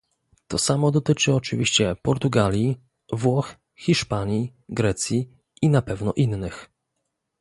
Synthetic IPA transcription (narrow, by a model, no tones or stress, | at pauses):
t̪ɔsamɔd̪ɔt̪ɘt͡ʂɘɔt͡ʂɘvʲiɕt͡ɕɛpɔɾt̪uɡalʲji | vwɔx | xʲiʂpaɲi | ɡɾɛt̪sʲji | inapɛvnɔʔinːɘx